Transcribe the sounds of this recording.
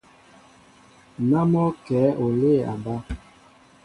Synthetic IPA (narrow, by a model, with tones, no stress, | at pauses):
na˦mɔ˦kɛ˨˦ʔo˨le˦˨a̰˨ba˦